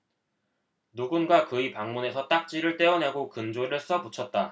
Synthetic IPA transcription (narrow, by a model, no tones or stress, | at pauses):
nuɡunɡwakɯipaŋmune̞sʰʌt͈ak̚t͡ɕ͈iɾɯɭt͈e̞ʌneɡokɯnd͡ʑoɾɯs͈ʌput͡ɕʰʌt̚t͈a